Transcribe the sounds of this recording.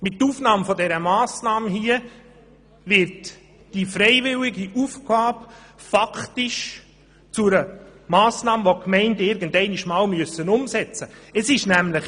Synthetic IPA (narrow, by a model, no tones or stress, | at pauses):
mɪtːuːfnɑːmfɔdɛɾəmɑːsnɑːməhiə | vɪɾt | d̥ifɾɛɪvɪlɪɡiʔufɡ̥ɑːb | faktɪʃ | t͡sʊɾəmɑːsnɑːməʋokmɛɪntəɪɾɡəndɛɪniʃmɑːlmyøəsənʊmsɛt͡səəsɪʃnæmləχ